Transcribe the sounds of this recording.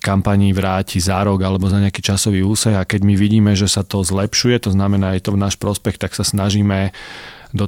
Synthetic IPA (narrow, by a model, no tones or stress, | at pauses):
kampaɲiːʋɾaːcʰizaɾɔɡalɛbɔzaɲɪakiːt͡ʃasɔʋiːuːsɛɣakɛɟmiʋiɟiːmɛʒɛsat̪ɔzlɛpʃujɛt̪ɔznamɛnaːjɛt̪ɔvnaːʃpɾɔspɛxt̪aksasnaʒiːmɛ | d̪ɔ